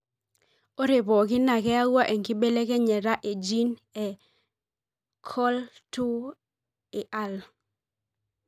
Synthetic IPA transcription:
o˦ɾe˨bɔ˨ɡɪ˦na˨kɛ˦a˦wa˦ʔɛ˨ŋkɪ˦be˦le˦kɛ˦ɲɛ˨ɾa˦ʔe˨d͡ʒi˦nɛ˨ | kʰɔ˦ltu˦ | ɪ˨ʔa˨l

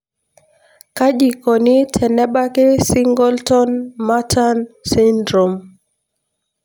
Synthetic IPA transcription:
ka˦ʄi˨kɔ˨ni˦tʰɛ˨nɛ˦ɓa˦kɛ˦si˦ŋɡɔ˦ltɔ˦nma˦tʰa˦nsi˦ndɾɔ˨m

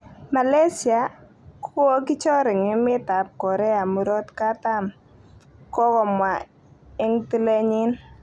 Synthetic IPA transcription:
ma˨le˦si˨a˨ | kʰki˦t͡ʃɔ˦ɾɪ˨ŋɪ˦mɪ˦ta˨p̚kɔ˨ɾɛ˦a˨mu˨ɾɔ˦tka˦ta˦m | kɔ˦kɔ˨mwa˨ | ɪ˦ŋti˦le˦ɲɪ˦n

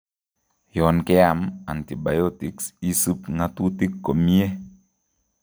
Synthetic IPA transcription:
jɔ˨nkɛ˦a˦˨ma̰˨nti˨ba˨jo˦ti˨˦ksi˦sɨ˦pŋa˦tu˦ti˦kːo˨mi˦e˦

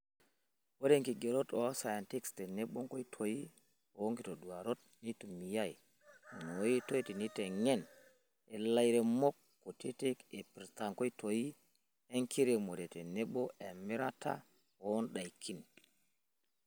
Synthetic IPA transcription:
wo˦de˦ŋki˨ɡe˨ɾo˦to˦sa˨ja˨nti˦kste˨ne˦ɓo˦ŋko˦jtʰo˨ji˦ | o˦ŋki˨to˨du˨wa˨ɾo˦t̚ | ni˦tu˨mi˨ja˦ji˨ | no˨ji˦to˦i˦ti˨ni˦te˨ŋe˦˨n | e˨la˦jɾe˨mo˦kːo˨ti˦te˦ke˨pi˨ɾta˨ŋko˦i˦tʰo˨ji˦ | e˦ŋki˦ɾe˨mo˨ɾe˨te˨ne˦ɓo˦ʔe˨mi˦ɾa˦ta̰˦ | o˦nɗa˨jkʰi˦n

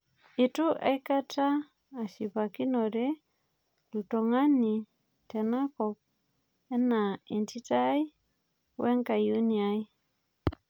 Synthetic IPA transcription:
i˨tu˦ʔa̰˦jka˦taː˦˨ | ʃi˨pa˨ki˦nɔ˨ɾɛ˦ | lu˨tɔ˨ŋa˦ni˨ | tɛ˨na˦kɔ˨p̚ | ɛ˦na˨ɛ˨nti˦ta˦j | wɛ˦ŋka˨ju˦nia˦j

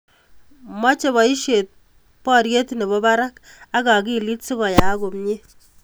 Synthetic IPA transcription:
mwa˦t͡ʃe˦bɔ˨i˦ʃe˨t̚ | pɔ˦ɾje˦tne˨bɔ˦ba˦ɾa˦k | a˦ka˨ki˦˨li˦tsi˦kɔ˨ja˨˦ko˨mɲe˦

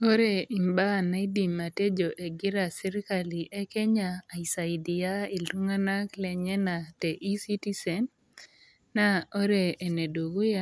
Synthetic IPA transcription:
o˦ɾe˨i˨mba˦˨na˦i˦di˨mːa˨te˦d͡ʒo˨ʔe˨ɡɪ˦ɾa˨si˦ɾi˦ka˨li˨ʔe˦ke˦ɲaː˨i˨sa˨idi˨ja˦i˨lu˦ŋa˦na˦klɛ˨ɲɛ˦na˨te˨ʔi˦si˦ti˦sɛ˨nː | a˦o˦ɾeː˨ne˨do˨ɡo˦ja˦

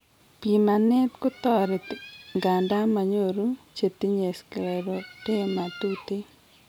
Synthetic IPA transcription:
pi˨ma˨nɛ˦tkʊ˦t̪ɔ˦ɾe˨tŋɡa˨nda˦ma˨ɲo˦˨ɾu˦t͡ʃe˨t̪i˦ɲe˨skɾɛ˨ɾo˨te˦ma˨tu˦te˦

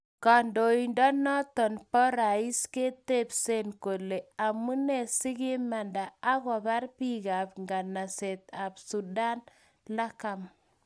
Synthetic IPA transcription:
ka˨ndo˨i˨ndɔ˦nɔ˦tɔ˨npɔ˦ɾa˨i˦ske˦te˦pse˦nko˨le˨a˨mu˦ne˨si˦ki˦ma˨nda˨a˦ɣɔ˨pa˦rpi˦ɣa˨pŋɡa˨na˨se˨t̪a˨psu˨da˦n | la˦ka˨m

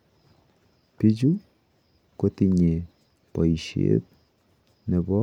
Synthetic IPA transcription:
pi˦d͡ʒu˦ | ko˦ti˨ɲe˨ | pɔ˨i˨ʃḛ˦t̚ | ne˨bɔ˦

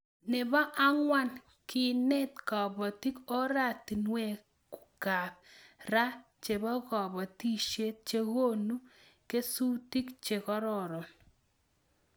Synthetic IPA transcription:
nɪ˨bɔ˦ʔa˦ŋwa˦n | ki˦nɛ˦tkɔ˨bɔ˨ti˦ko˦ɾa˦˨ti˨nwe˦˨ | ku̥˨ka˨p̚ra˦ | t͡ʃe˨bɔ˦kɔ˨bɔ˨ti˦ʃe˦t̚t͡ʃe˦ko˦nu˦ | ke˦su˦ti˦kt͡ʃe˨kɔ˦ɾɔ˨ɾɔ˨n

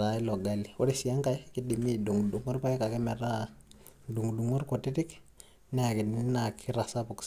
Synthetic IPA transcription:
a˨i˦lɔ˨ɡa˨li˨wo˦ɾe˦si˨a˦ŋka˨jki˦di˨mi˦du˨ŋdu˨ŋɔ˦ɾpa˦jka˨kɛ˦mɛ˨ɾa˦ | du˨ŋdu˨ŋɔ˦ɾko˨ti˦ti˦k | nɛ˦a˨ki˨ni˦na˨kʰi˦ɾa˨sa˦pu˨k

